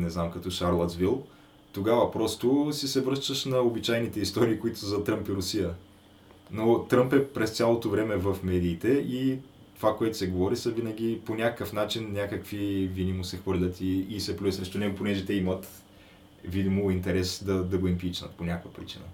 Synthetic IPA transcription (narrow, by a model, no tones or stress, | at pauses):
nɛznamkɐt̪ɔʃaɾlˠət̪zvilˠ | t̪oɡavɐpɾɔst̪ʊsɛsɛvɾɤʃt̪əʃnɐobit͡ʃajnit̪ɛist̪ɔɾiːkoit̪ʊ̥szɐt̪ɾɤmpiɾʊsijə | not̪ɾɤmpɛpɾɛst̪sʲalˠot̪ovɾɛmɛvəfmɛd̪iːt̪ɛi | t̪ovakoɛt̪ʊ̥sɛɡovɔɾisɐvinəɡ̟ʲiponʲakəkəfnat͡ʃinːʲakəkvivid̪imosɛxvɤɾlʲət̪iːsɛpluisɾɛʃt̪ʊnɛɡoponɛʒɛt̪ɛimət̪ | vid̪imoint̪ɛɾɛsd̪ɐd̪ɐɡoimpit͡ʃnə̰t̪ponʲakvəpɾit͡ʃinə̰